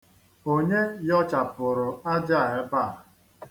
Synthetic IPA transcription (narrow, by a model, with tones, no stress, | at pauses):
o˦ɲe˦jɔ˦t͡ʃa˨pʊ˨ɾʊ˨a˦d͡ʒa˦˨e˦ba˦˨